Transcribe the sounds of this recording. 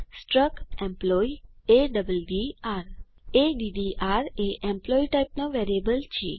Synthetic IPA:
sʈɾəkẽmplɔieɖəbəlɖiaɾeɖiɖiʔaɾeʔẽmplɔiʈaip̚noʋeɾiebəlt͡ʃʰḭ

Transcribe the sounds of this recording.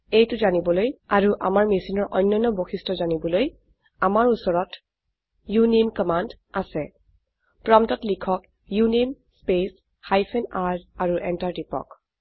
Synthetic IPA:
ejtʊzanibɔlojaɹuʔa̰maɹmisinɔɹʔɔjnːɔjnːɔboxistɔzanibɔloj | amaɹusɔɹɔt | junimkɔmand | asɛ | pɹɔmtɔtlikʰɔk | junimspes | hajpʰɛnaɹdaɹuʔɛntaɹtipɔ̰k

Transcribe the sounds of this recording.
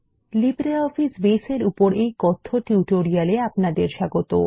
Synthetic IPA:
libɾeɔfisbeseɾupoɾejkɔt̪ʰːoʈuuʈoɾialeapnad̪eɾʃaɡot̪o̰

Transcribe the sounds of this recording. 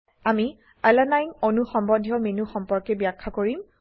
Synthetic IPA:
ami | alanajnonuxɔmbɔdʱijɔmenuxɔmpɔɹkɛbjakʰːakoɹim

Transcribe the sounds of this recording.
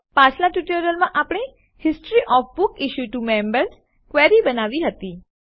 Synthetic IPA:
pãt͡ʃʰlaʈuʈəɾəlmãʔapɽ̃e | hɪsʈɾiʔɔfbʊkɪʃuʈumɛ̃mbəɾs | kʋeɾibənaʋiɦət̪i

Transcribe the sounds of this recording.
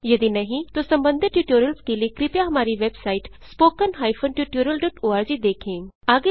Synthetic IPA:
jɐd̪inɐɦĩt̪osɐ̃mbə̃nd̪ʱɪt̪ːjuːʈjoːɾəlskeliekɾɪpjaɦɐmaːɾiʋeːbsaːɪʈspoːkənɦaːifʰənʈjuːʈjoːɾjəlɖɔːʈoːaːɾd͡ʒid̪eːkʰẽːaːɡe

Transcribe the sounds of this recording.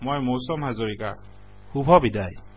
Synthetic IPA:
mɔjmosɔmɦazɔɹika̰ | xubʱɔbidaj

